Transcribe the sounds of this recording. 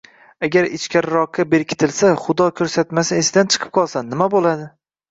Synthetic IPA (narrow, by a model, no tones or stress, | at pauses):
aɡʲaɾɪt͡ʃkʲʰaɾɾɒqʰːabe̞ɾkʲʰɪ̥t̪ʰɪlsaχʊd̪ɒkʲʰɵɾsat̪masɪesɪd̪ant͡ʃʰɨ̥qʰɨ̥p̚qʰɒlˠsanːɪmabolad̪ɪ